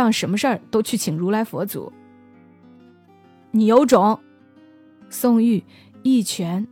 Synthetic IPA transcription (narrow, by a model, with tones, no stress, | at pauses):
ɑ˥˩ŋʂə˧˥nmə˧ʂə˞˥˩t̪o˥ʊt͡ɕʰy˥˩t͡ɕʰi˨˩ŋɻu˧˥la˧˥ɪfwɔ̰˧˥t͡sṵ˨˩˦ | ni˨˩jo˧˥ʊʈ͡ʂʊ˨˧˥ŋ | sʊ˥˧ŋy˥˩ | i˥˩t͡ɕʰɥɛ˧˥n